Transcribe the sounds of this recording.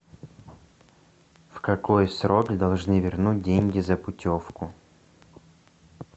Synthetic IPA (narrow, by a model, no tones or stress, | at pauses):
fkɐkojsɾokd̪ɐlˠʐnɨvʲɪrnut̚ʲdʲeŋʲɡʲɪzəpʊtʲofkʊ